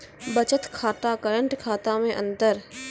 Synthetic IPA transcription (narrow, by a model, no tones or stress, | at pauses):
bət͡ʃət̪kʰaːt̪akəɾə̃ɳʈkʰaːt̪amẽʔə̰̃nd̪əɾ